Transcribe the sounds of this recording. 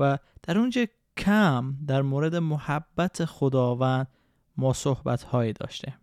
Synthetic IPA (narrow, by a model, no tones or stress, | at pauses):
væd̪̥æɾund͡ʒɒ | kʰæmd̪æɾmoːɾe̞d̪e̞mohæbːæt̪ʰexod̪ɒːvænd̪̥̚ | mɒːsohbæ̰t̪ʰhɒːjiːd̪ɒ̰ːʃt̪ʰe